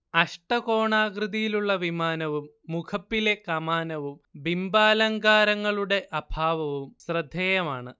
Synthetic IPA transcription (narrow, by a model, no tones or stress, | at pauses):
ɐʂʈɐko̞ːɳaːɡrɨðijiluɭːɐʋimaːnɐʋumːukʰɐpːilekɐmaːnɐʋumbimbaːlɐŋɡaːɾɐŋːɐɭuɽe̞ʔɐbʱaːʋɐʋumsrɨd̪ʱːeːjɐmaːɳɨ